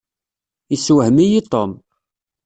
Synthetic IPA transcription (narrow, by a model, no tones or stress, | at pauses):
isːwhmijit̪ˤːom